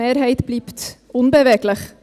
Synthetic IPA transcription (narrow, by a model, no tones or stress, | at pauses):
eːɾɦɛɪt̪bliːpt̪ʔʊnbəʋeːɡləχ